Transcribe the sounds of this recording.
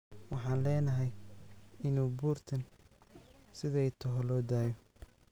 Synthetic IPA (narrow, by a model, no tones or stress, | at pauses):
wɑħɑːnlɛːnɐɦɛj | ɪnuːbuːrt̪ʰɐn | sɪðɛjt̪ʰɔɦɔlɔːd̪aːjɔ